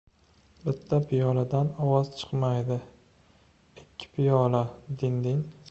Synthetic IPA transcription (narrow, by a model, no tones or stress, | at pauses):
bɪt̪ʰːapʰijɒlad̪anɒwɒzt͡ʃʰɨ̥qmajd̪ɪ | ɪkʲʰːɪ̥pʰijɒlad̪ɪnd̪ɪn